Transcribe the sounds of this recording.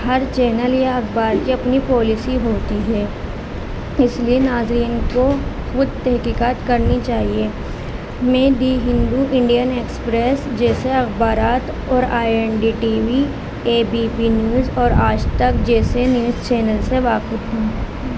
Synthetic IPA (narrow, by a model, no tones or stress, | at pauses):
hɐɾt͡ʃɛːnəljaɐxbaːɾkiɐpnipɔːlɪsiɦoːt̪iɦɛː | ɪslienaːzɾiːnko | xʊd̪t̪ɛɦkiːkaːt̪kɐɾnit͡ʃaːɦie | mẽːd̪iːɦɪ̃nd̪uʔɪ̃ɳɖijəneːkspɾeːsd͡ʒɛːseɐxbaːɾaːt̪ | ɔːɾaːɛnɖiʈiːʋi | eːbiːpinjuːzɔːɾaːd͡ʒt̪ɐkd͡ʒɛːsenjuːzt͡ʃɛːnəlseʋaːkɪt̪ɦɛ̃ː